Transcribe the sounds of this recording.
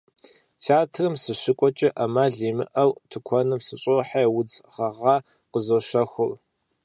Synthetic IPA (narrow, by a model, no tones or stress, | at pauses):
t͡ʃʰaːtʰrɨmsɨɕɪkʷʼɔt͡ʃʼɐʔɐmaːɮiːmɨ̰ʔɐwtʰɨkʷʰɔnɨmsɨɕʼoħawʊd͡zʁɐʁɑ | qəzoɕɐxʷʊl